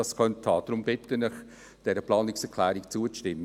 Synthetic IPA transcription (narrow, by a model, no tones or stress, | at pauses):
ɑskʰœnttʰhɑːd̥̪ɾʊmbɪtənɪχ | d̥ɛɾəplɑːnɪksɛkʰlæːɾɪkt͡suət͡sʃtɪmːə